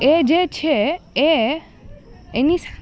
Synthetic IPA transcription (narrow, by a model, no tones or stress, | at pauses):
ed͡ʒet͡ʃʰee | enis